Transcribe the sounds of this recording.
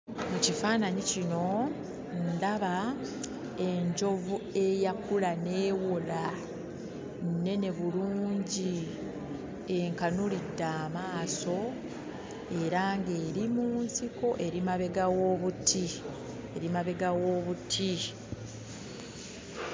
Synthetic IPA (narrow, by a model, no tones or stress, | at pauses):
mucifaːnaɲicino̞ | ndaβa | e̞ɲɟo̞vue̞jakulane̞ːwola | nnːe̞ne̞βuluːɲɟi | eŋkanulidːaːmaːso̞ | e̞ɾaŋɡe̞ːɾimuːnsiko̞ʔe̞ɾimaβe̞ɡawoːβutʰi | eɾimaβe̞ɡawo̞βutʰi